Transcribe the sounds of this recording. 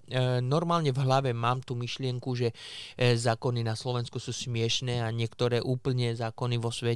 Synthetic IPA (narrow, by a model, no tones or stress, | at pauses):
nɔɾmaːlɲɛvɦlaʋɛmaːmt̪uːmiʃlɪɛŋkuʒɛzaːkɔninaslɔʋɛnskusuːsmɪɛʃnɛːaɲɪɛkt̪ɔɾɛːʔuːpl̩ɲɛzaːkɔniʋɔsʋɛ